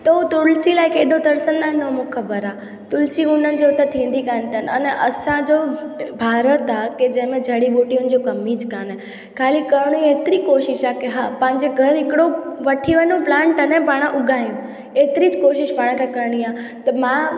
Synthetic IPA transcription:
t̪ɐɦut̪ʊlsilaːɪkeːɖʱod̪ɐɾsənnaːɦɪ̃nːomʊkxʰɐbəɾaː | t̪ʊlsiʊnənɪ̆d͡ʑeʊt̪ət̪ʰĩːn̆d̪ikaːn̆t̪ʰənɐnʔɐsãd͡ʑoːbʱaːɾət̪aːked͡ʑɐ̃ɦɪ̃mẽd͡ʑʱɐɽiɓoːʈiʊ̃nɪ̆d͡ʑokɐmid͡ʑkaːn | kʰaːlikɐɽ̃ũeːt̪ɪɾikoːʃɪʃakeɦaːpɐ̃ɦɪ̃ɲd͡ʑeɡʱɐɾɦɪkɪɽoʋɐʈʰiʋɐnoplãːɳʈanẽpaːɽ̃aʔʊɡʱaːijũ | eːt̪ɪɾid͡ʑkoːʃɪʃpaːɽ̃ãkʰekɐɾɽ̃iaːt̪ɐmã

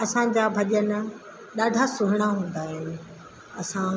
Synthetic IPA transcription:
ɐsãd͡ʑaːbʱɐʄənɪ̆ | ɗaːɖʱasʊɦɪɽ̃aɦũːn̆d̪aːɦɪnɪ̆ | ɐsã

